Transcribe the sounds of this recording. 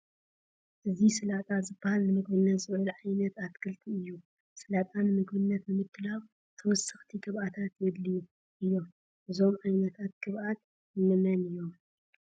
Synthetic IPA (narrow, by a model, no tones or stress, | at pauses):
ʔɨzisɨlat̪ʼazɨbːɐhalnɨmɨɡbɨnːɐt̪zɨɨlʕajnɐt̪at̪kʰɨlt̪ʰiɨjːu | sɨlat̪ʼanɨmɨɡbɨnːɐt̪nɨmɨt̪ʰːɨlaβ | t̪ʰɐwɔsːɨxt̪ʰiɡʰɨβʔat̪ʰat̪jɛd̪liju | ʔɨjːom | ʔɨzo̞mʕajnɐt̪ʰat̪̚ɡɨβʔat̪ | jɨmɨmɐnɨjːo̞m